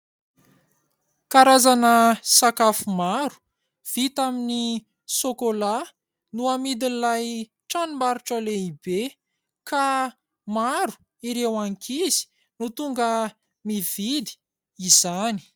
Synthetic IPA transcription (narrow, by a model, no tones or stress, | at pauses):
kaɾazanəsakafumaɾu̥ | v̥it̪amini | sokola | nuamid̪inlaj | ʈ͡ʂanumaɾuʈ͡ʂəleib̥e | ka | maɾu̥ | iɾewaŋkʰizi̥ | nut̪uŋɡə | miv̥id̪i̥ | izani̥